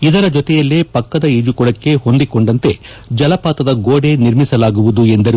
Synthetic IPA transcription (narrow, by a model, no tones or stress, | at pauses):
id̪ɐɾɐd͡ʒot̪ɛjɐlːepɐkːɐd̪ɐid͡ʒukɔɭɐkːe̞ho̞nd̪ikoɳɖɐnt̪e̞ | d͡ʒɐlɐpaːt̪ɐd̪ɐɡoːɽe̞niɾmisɐlaːɡuʋud̪ue̞nd̪ɐɾu